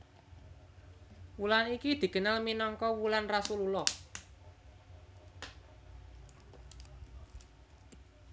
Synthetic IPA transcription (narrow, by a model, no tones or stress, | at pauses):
wulanikid̪̥i̤kənalminɔŋkɔwulanrasululɔ